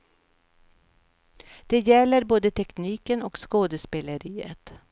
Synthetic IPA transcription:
d̪̥ɛjɛlːəɾboːd̪ət̪ʰɛkniːkənɔkskoːd̪əspeːləɾiːə̰t̪

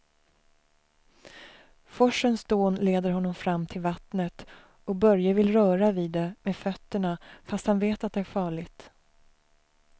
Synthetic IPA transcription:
fɔʂənsd̪oːnleːd̪əɾɦɔnːɔmfɾamːt̪ʰɪlvat̪nət̪ | ɔk̚bœɾjəvɪlɾœːɾaviːd̪ːɛmeːdfœt̪ːəɳafast̪hanveːt̪at̪̚d̪ɛæɾfɑːɭɪɡt̪

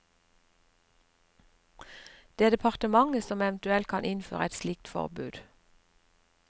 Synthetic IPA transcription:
d̪̥eːd̪ɛpʰɑʁt̪əmɑŋəsɔmɛʋnt̪ʉɛlt̪̚kʰɑnʔɪnfø̰ːʁəɛt̪slɪk̚t̪fɔ̰ʁbʉːd̪̥

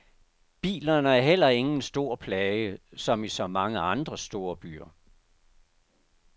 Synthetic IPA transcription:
b̥ḭːlɐnəæɐɦel̰ɐe̝ŋn̩sd̥o̝ɐ̰pʰlɛːjəsɒ̽misɒ̽mɑ̈ŋəɑ̈nd̥ʁɐsd̥o̝ːɐb̥y̰ːɐ

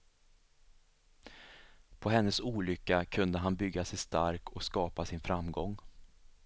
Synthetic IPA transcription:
pʰɔɦɛnːəsuːlʏkːakʰɵnd̪əɦanbʏɡːasɛjst̪a̰ɾkɔkskɑːpasɪnfɾamɡɔŋː

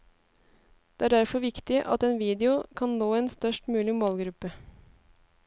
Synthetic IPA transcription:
d̪̥ɛːæːɖæɾfɔɾʋɪkt̪ɪʔɑ̰t̪eːnʋiːd̪ɪʊkʰɑnnoːeːnst̪œʂʈmʉːlɪmoːlɡɾʉpːə

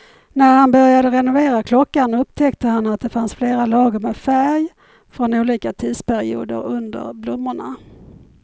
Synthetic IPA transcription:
næɾhanbœɾjad̪əɾɛnʊveːɾakʰlɔkːanɵpt̪ʰɛkt̪əhanːat̪̚d̪ɛfansfleːɾalɑːɡəɾmɛfæɾj | fɾɔnuːliːkat̪ʰiːd̪spʰæɾɪ̰ṵːd̪ə̰ɾɵnd̪ə̰ɾblʊmːəɳa̰

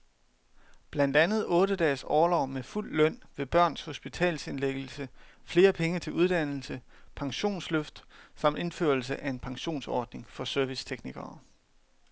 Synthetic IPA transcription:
b̥læn̰d̥ænð̞̩ˠɔ̽ːɾəd̥ɛ̰ːsɒːlɒʊ̰meful̰ːœn̰ʋe̝b̥ɶɐ̰nsho̝sb̥it͡sʰɛ̰ːlse̝nleɡ̥l̩səfle̝ːɐpʰeŋət͡sʰe̝luð̞ˠd̥æn̰l̩səpʰɑ̈ŋɕo̝̰ːnsløfd̥sɑ̈md̥e̝nfø̰ɐlsəʔæe̝npʰɑ̈ŋɕo̝̰ːnsɒ̰ːd̥ne̝ŋfɒ̽sœɐʋist͡sʰeɡ̥niɡ̥ɐː

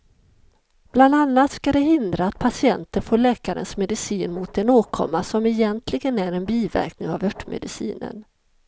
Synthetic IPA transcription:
b̥land̪anːat̪skad̪ɛɦɪnd̪ɾaːt̪̚pʰasɪɛnt̪əɾfoːɭɛːkaɾə̰nsmɛd̪ɪsiːnmʊt̪ɛnoːkʰɔ̰mːasɔmɛjɛnt̪ʰlɪɡənæɾɛnbiːvæ̰ɾknɪŋavœʈːmɛ̰d̪ɪsḭːnə̰n

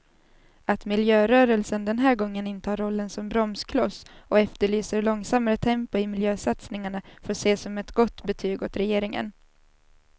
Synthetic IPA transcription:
at̪mɪljøːɾœːɾəlsənd̪ɛnɦæːɾɡɔŋːənɪnt̪əhɑːɾɔlːənsɔmbɾɔmskʰlɔsɔɛft̪əɭyːsəɾɭɔŋsamːaɾət̪ʰɛmpʊɪmɪljøːsat̪snɪŋaɳafoːʂeːsɔmɛt̪ɡɔt̪ːbɛt̪ʰyːɡot̪ɾɛjeːɾɪŋə̰n

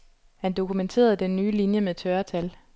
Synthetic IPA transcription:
hænd̥o̝kʰument͡sʰe̝̰ːɐð̞ˠd̥enːyːlinjəmet͡sʰɶɐt͡sʰæl

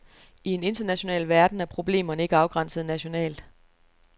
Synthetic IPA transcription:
ie̝ne̝nd̥ɐnæɕo̝nɛ̰ːlʋæɐd̥n̩æɐpʰʁo̝b̥le̝̰ːmɐnəe̝ɡ̥əɑ̈ʊɡ̥ʁɑ̈n̰səð̞̩ˠnæɕo̝nɛ̰ːld̥

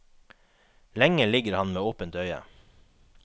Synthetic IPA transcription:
lɛŋəlɪɡəɾhɑnmeːoːpənt̪œʏə̰

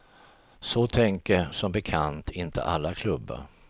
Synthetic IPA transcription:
sɔt̪ʰɛŋkəsɔmbɛkʰant̪ʰɪnt̪ʰə̰ʔalːakʰlɵbːə̰ɾ

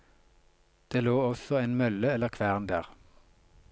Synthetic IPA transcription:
d̪̥eːloːɔsɔeːnmœləɛləʁkʰʋæːʁnd̪æːʁ

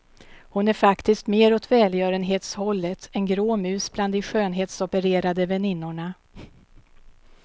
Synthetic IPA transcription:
hʊnæɾfakt̪ɪskt̪meːɾɔt̪vɛːljœːɾənɦeːt̪shɔlːət̪ʰɛnɡɾoːmʉ̟ːsbland̪ɪɧøːnɦeːt̪sɔpəɾeːɾad̪əvɛnɪnːʊɳa

